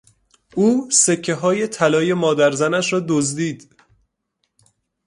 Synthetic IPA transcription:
ʔuːse̞cʰːe̞ɦɒːje̞t̪ʰælɒːje̞mɒːd̪æɾzænæʃɾɒːd̪ozd̪iːd̪̥

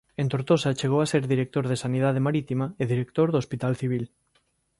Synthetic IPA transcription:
ẽnt̪oɾt̪osat͡ʃeɣ̞owaseɾðiɾek̚t̪oɾðesanið̞að̞emaɾit̪imaeðiɾek̚t̪oɾðospit̪alθiβ̞il

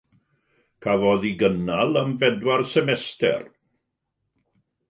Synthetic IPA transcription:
kʰavɔðiɡənalˠəmvɛdwarsɛmɛstɛ̰r

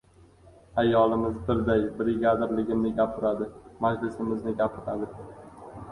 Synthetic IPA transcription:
ajːɒlɪmɪzbɪɾd̪ajbɾɪɡʲad̪ɾlɪɡʲɪmnɪɡʲapʰɪɾad̪ɪmad͡ʒlɪsɪmɪznɪɡʲapʰɪɾad̪ɪ

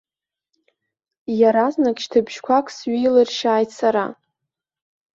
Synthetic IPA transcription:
jaɾaznakʲʼʃtʰabʒkʷʰakʷʼʰsɥijlɨrʃaːjtʰsaɾa̰

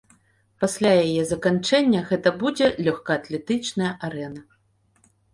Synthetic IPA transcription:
pasʲlʲajajɛzɐkant͡ʂɛnʲːɐɣɛt̪ɐbud͡zʲɛlʲɔxkaːt̪lʲɛt̪ɨt͡ʂnɐjɐʔaɾɛnɐ

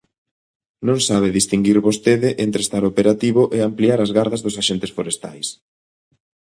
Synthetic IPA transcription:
nõŋsaβ̞ɪðist̪iŋɡiɾβost̪eðɪʔent̪ɾest̪aɾopeɾat̪iβʊʔeampliaɾazɣaɾðɐzðʊsaʃent̪ɪsfoɾest̪a̰js

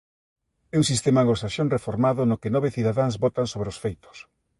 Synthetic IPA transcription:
ɛuŋsist̪ɛmaːŋɡosaʃonrefoɾmaðʊnokɪnɔβeθiðaðaŋzbɔt̪aŋsoβɾeosfejt̪ʊ̥s

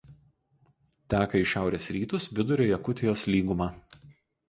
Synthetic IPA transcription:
t̪ʲæːkɐɪʃʲæˑʊɾʲeːsɾʲiːt̪ʊsʋʲɪd̪ʊɾʲoːjɛkʊt̪ʲɪjoːslʲiːɡʊmɑː

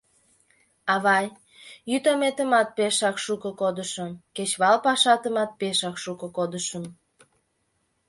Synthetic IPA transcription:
ɑβɑj | jyt̪omet̪əmɑt̪̚peʃɑkʃukokod̪əʃəmket͡ɕβɑlpɑʃɑt̪əmɑt̪̚peʃɑkʃukokod̪əʃəm

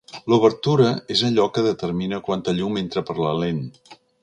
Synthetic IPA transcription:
luβəɾt̪uɾəezəʎɔkəðət̪əɾminəkwant̪əʎument̪ɾəpəɾləlen

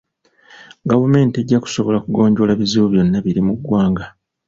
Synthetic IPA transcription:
ɡavume̞ːnte̞ɟːaku̥so̞βo̞lakuɡo̞ːɲɟo̞laβiziβuβjo̞nːaβiɾimuɡwaːŋɡa

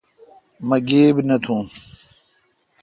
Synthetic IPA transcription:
mɐɡeːbnɐt̪ʰũː

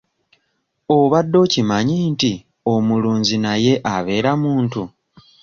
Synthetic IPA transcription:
oβadːo̞ːcimaɲiːnti | o̞muluːɲzinaje̞ʔaβe̞ːɾamuːntu

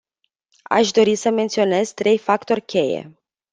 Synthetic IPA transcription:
a̰ʃd̪o̞ɾisəme̞nt̪sio̞ne̞zt̪ɾe̞jfakt̪o̞rʲkʲe̞je̞̰

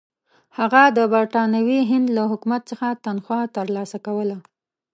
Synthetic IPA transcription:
haɣad̪əbaɾʈɑnawiɦɪnd̪laɦʊkumat̪̚səxat̪anxwɑt̪əɾlɑsakawəla

